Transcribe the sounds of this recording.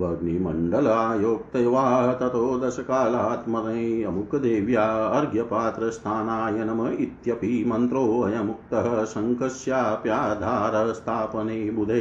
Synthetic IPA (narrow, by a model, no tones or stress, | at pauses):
bʱɐɡnimɐɳɖɐlaːjoːk̚t̪ɐjʋaːɦɐt̪ɐt̪oːd̪ɐʃɐkaːlat̪mɐɾɐɐmukɐd̪eːʋjaːɐɾɡjɐpaːt̪ɾɐst̪ʰaːnaːjɐnɐmɐit̪jɐpimɐnt̪ɾoːɐjɐmuk̚t̪ɐɦɐ̆sɐŋkɐʃjaːpjaːd̪ʱaːɾɐst̪ʰaːpɐneːbud̪ʱɐ